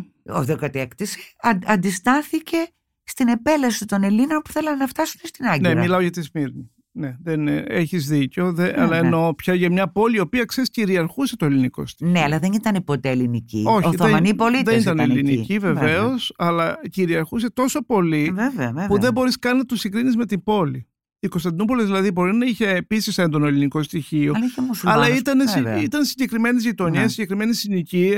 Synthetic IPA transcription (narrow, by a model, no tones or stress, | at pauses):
o̰ðokɐt̪ekt̪isiɐɐnd̪ist̪ɐθice̞ | st̪ine̞pe̞lɐsit̪o̞ne̞lino̞npu̥θe̞lɐnnɐft̪ɐsu̥mest̪inɐɲɟnemilɐoʝɐt̪izmiɾni | neðeneeçizðiceo̞ðeɐlɐeno̞pçɐʝɐmɲɐpo̞liːopiɐkseisciɾiɐɾxuse̞t̪oeliniko̞̰st̪inneɐlɐðe̞nit̪ɐnipo̞t̪eelinicḭo̞çoiθoemɐnipo̞litðeniit̪ɐnelninicive̞veo̞sɐlɐciɾiɐɾxuse̞t̪o̞so̞po̞liveveɐpuðe̞mbo̞ɾiskɐninɐt̪usiɡɾinizme̞t̪imbo̞li | ikost̪ɐnd̪inupolezðilɐðibo̞ɾinɐiçe̞ːpisise̞nd̪o̞noliniko̞st̪içio̞lɐiemusuɐlɐit̪ɐnesit̪ɐnsiɲɟe̞kɾime̞nizʝit̪o̞ɲiɐsiɲɟekɾime̞nisinici